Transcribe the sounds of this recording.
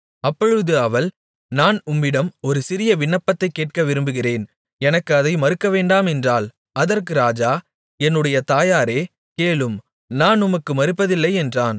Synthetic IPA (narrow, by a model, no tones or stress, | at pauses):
ɐpːɔɻɯðɯɐʋɐl | naːnʊmːɪɽɐmɔɾɯsɪɾɪjɐʋɪɳːɐpːɐt̪ːɐɪkːeːʈ̚kɐʋɪɾɯmbɯɣɪreːn | ɛnɐkːɯɐðɐɪmɐɾɯkːɐʋeːɳɖaːmɛndraːl | ɐðɐrkɯɾaːd͡ʒaː | ɛnːɯɽɐjɐt̪aːjaːɾeː | keːɭɯm | naːnʊmɐkːɯmɐɾɯpːɐðɪlːɐɪɛndraːn